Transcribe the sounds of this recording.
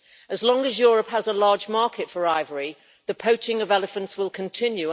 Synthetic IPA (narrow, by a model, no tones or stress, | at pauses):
əzlɒ̃ŋəzjɔːɹəphəzəlɑːd͡ʒmɑˑkʰɪtfəɹaɪvəɹi | ðəpʰoʊt͡ʃɪ̃ŋəvɛlɪfə̃ntswɪlˠkʰə̃ntʰɪ̃njʉ